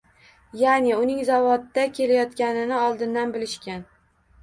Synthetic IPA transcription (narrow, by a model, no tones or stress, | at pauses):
janɪʊnɪŋzavɒd̪ːakʲʰe̞lajɒt̪kʲanɪnɪɒlˠd̪ɪnd̪anbɪlɪʃkʲan